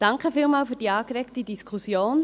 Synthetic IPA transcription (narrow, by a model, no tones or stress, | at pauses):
d̥ɑŋkχəfiːlmaːlfyːdiːɑːkɾɛktidiskʰusjoːn